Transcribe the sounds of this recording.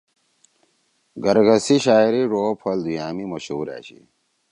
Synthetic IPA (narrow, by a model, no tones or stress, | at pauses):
ɡɐɾɡɐsiɕaːiɾiɾoːpʰɐld̪ujaːmimɐɕṵːɾa̰ːɕḭ